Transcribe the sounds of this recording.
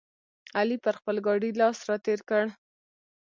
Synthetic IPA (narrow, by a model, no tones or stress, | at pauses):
alipəɾxpəlɡɑɖilɑsɾɑt̪eɾkəɽ